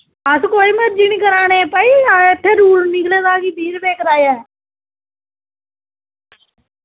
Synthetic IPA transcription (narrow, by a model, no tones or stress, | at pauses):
əskoːimeɾd͡ʒinikəɾaːneːpəiaːet̪ʰːeːɾuːɽnɪkleːd̪aːkiːd̪iːɾbeːkɾaːjɛː